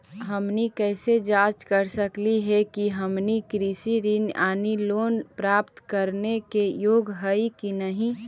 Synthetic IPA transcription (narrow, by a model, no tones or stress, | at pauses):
ɦəmnikɛːsed͡ʒaːt͡ʃkəɾsəkliɦɛkiɦəmnikɾisiɾinaːniloːnpɾaːpt̪kəɾnekejoːɡɦəikinəɦĩ